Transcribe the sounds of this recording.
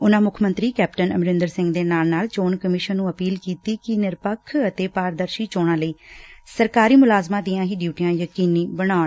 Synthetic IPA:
ʊnãːmʊkʰmənt̪ɾiːkɛːp̚ʈənə̰mɾɪ̃nd̪əɾsɪ̃ŋɡd̪eːnaːlnaːlt͡ʃoːnkəmɪʃənːũːəpiːlkiːt̪iːkɪnɪɾpəkʰːət̪eːpaːɾd̪əɾʃiːt͡ʃoːɽ̃ãːləiːsəɾkaːɾiːmʊlaːzmãːd̪iːãːɦiːɖjuːʈijãːjəkiːnĩːbəɽ̃aːɳ

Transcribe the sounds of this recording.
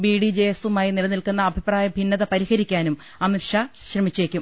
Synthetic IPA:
biːɽid͡ʑesumaːjinilɐnilkunːɐːbʱipraːjɐbʱinːɐðɐpɐɾihɐɾikʲːaːnum | ɐmirʂɐɕrɐmit͡ɕːeːkʲːum

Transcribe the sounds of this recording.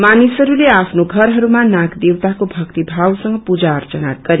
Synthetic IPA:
manisɦʌɾuleapʰnoɡʱʌɾɦʌɾumanãkd̪ewt̪akobʱʌkt̪ibʱawsʌŋɡʌpud͡zaʌrt͡sʌna̰t̪̚ɡ̥ʌɾi

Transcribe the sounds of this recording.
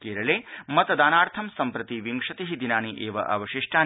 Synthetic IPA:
keːɾɐleːmɐt̪ɐd̪aːnaːɾt̪ʰɐmsɐmpɾɐt̪iʋiŋkʂɐt̪iɦid̪inaːniʔeːʋɐ̰ʔɐ̰ʋɐʃiʂʈaː

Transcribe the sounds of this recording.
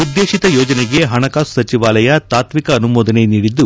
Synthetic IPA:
ud̪ːeːʃit̪ɐjɔːd͡ʒɐneɡe̞ɦɐɳɐkaːssɐt͡ʃiʋaːlɐjɐt̪aːt̪mikɐːnumɔːd̪ɐne̞niːɽid̪ːu

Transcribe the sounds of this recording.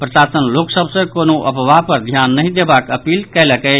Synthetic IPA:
pɾəsasənloksəbʱsə̃konoʔəpəʋapəɾd̪ʱjanːəjd̪ebakəpilkɛləkɛɪ

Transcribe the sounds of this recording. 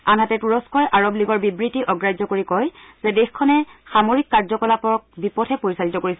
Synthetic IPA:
anɦatɛtuɹɔskɔjʔaɹobliɡɔɹbibɹitiʔɔɡɹajzɔkoɹikɔjzɛdexkʰɔnɛxamoɹikːaɹzɔkɔlapɔɹ̚bipɔtʰɛpoɹisalitɔkoɹisɛ

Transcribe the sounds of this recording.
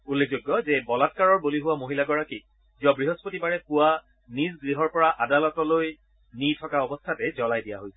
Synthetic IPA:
ulːek̚ʰzoɡːɔzɛbɔlat̚kaɹɔɹboliɦʊwamoɦilaɡɔɹakit̚ | ziɔbɹiɦɔspotibaɹɛpʊwa | nizɡɹiɦɔɹpɔɹaʔadalɔtɔloj | nitʰɔkaɔbɔstʰatɛzɔlajdija̰ɦojsɛ̥

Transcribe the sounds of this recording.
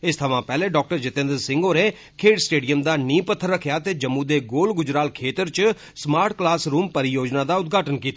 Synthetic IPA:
ɪst̪ʰəʋãːpɛːleːɖɔːk̚ʈəɾd͡ʒɪt̪ẽnd̪əɾsɪ̃ŋɡoːɾeː | kʰeːʈsʈeːɖijəmd̪aːnĩːpət̪ʰːəɾːəkʰjaːt̪eːd͡ʒəmːũːd̪eːɡoːlɡʊd͡ʒɾaːlkʰeːt̪əɾt͡ʃ | smaːɾʈklaːsɾuːmpəɾɪjoːd͡ʒnaːd̪aːʊt̪̚ɡʱaːʈənkiːt̪a

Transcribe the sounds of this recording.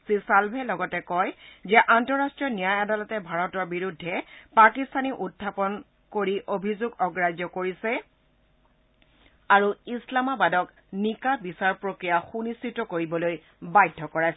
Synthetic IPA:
sisalbʱɛlɔɡɔtɛkɔjzɛʔantɔɹastɹijɔnijajadalɔtɛbʱaɹɔtɔɹbiɹudʱːɛpakistʰaniʔutʰːapɔn | koɹiʔobʱizoɡɔɡɹad͡ʒɔkoɹisɛ | aɹuislamabadɔk | nikabisaɹpɹokɹijaxunistitɔkoɹibɔloj | bajdʱːɔkɔɹajsɛ

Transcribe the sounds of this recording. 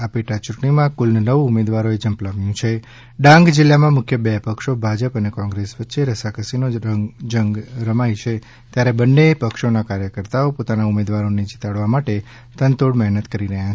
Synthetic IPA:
apeʈat͡ʃuʈɳimãkulnənəʋumed̪ʋaɾoed͡ʒəmplaʋjũt͡ʃʰe | ɖãŋɡd͡ʒɪlːamãmʊkʰjəbɛpəkʃobʱad͡ʒəpənekɔ̃ŋɡɾesʋətːʃeɾəsakəsinoəŋd͡ʒəŋɡɾəmajt͡ʃʰe | t̪jaɾebənːepəkʃonakaɾjəkəɾt̪aopot̪anaumed̪ʋaɾoned͡ʒit̪aɽʋamaʈe | t̪ənt̪oɽmɛɦnət̪kəɾiɾəɦjat͡ʃʰe

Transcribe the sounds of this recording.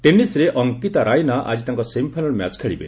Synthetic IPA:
ʈenisɾeʔɔŋkit̪aɾajnaʔa̰d͡ʒit̪aŋkɔsempʰajnɔɭmja̰t͡ʃkʰeɭibḛ

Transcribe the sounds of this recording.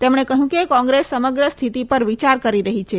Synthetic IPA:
t̪emɳ̃ekəɦjũkekɔ̃ŋɡɾesːəməɡɾəst̪ʰit̪ipəɾʋit͡ʃaɾkəɾiɾəɦit͡ʃʰe

